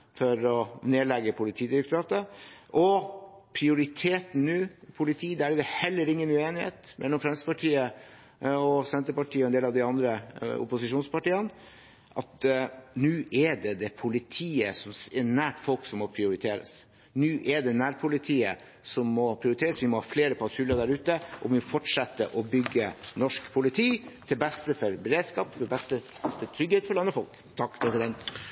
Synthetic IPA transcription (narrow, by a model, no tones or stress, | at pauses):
fɔɾɔneːlɛɡːəpʰʊlɪt̪ʰiːd̪ɪɾək̚t̪ʊɾɑːt̪əʔɔpʰɾɪʊɾɪt̪ʰeːt̪n̩nʉːpʰʊlɪt̪ʰiːd̪æɾɪd̪ɛhɛlːəɾɪŋːənʉeːnɪhḛːt̪mʔɛlːɔmfɾɛmsəpʰɑʈʰiːə | ɔsɛnt̪əɾpɑʈʰiːəɔɛnd̪eːlɑʋd̪ɪɑnd̪ɾəʊ̰pʊsɪʂuːnspɑʈiːən | ʔɑt̪nʉːʔɛɖɛd̪ɛpʰʊlɪt̪ʰiːəsɔmsɛnæːʈfɔlksɔmːɔpʰɾɪʊɾɪt̪ʰeːɾə̰s | nʉːʔɛɖɛnæːɾpʰʊlɪt̪ʰiːə | sɔmːɔpʰɾɪʊɾɪt̪ʰeːɾəsʋɪmɔhɑːfleːɾəpʰɑfʉləd̪æɾʉːt̪əʔɔʋɪmɔfɔʈʂɛt̪ːəʔɔbʏɡːənɔʂkpʰʊlɪt̪ʰiːt̪ʰɪlbɛst̪əfɔɾbɛɾeːd̪skɑːpfɔbɛst̪ə | t̪ɪt̪ʰɾʏɡheːt̪fɔɾɭɑnːəfɔlk | t̪ʰɑkːpʰɾɛsɪd̪ɛnt̪